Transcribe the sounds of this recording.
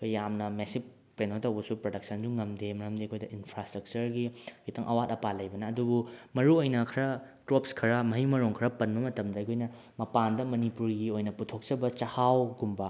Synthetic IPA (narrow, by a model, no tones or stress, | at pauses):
kʰojjamnɐmesik | penotɐwbɐsupɾodɐk̚sɐnd͡ʒuŋɐmdemɐɾɐmdiɐkʰojdɐinpʰɾastɾɐk̚t͡ʃɐɾɡikitʰɐŋʔɐwatɐpalɐjbɐnɐːdubumɐɾuojnɐkʰɐɾɐ | tɾopskʰɐɾɐmɐɦimɐɾoŋkʰɐɾɐpɐnbɐmɐtɐmdɐɐjkʰojnɐ | mɐpandɐmɐnipuɾɡiojnɐputʰok̚t͡ʃɐbɐt͡ʃɐhawɡumbɐ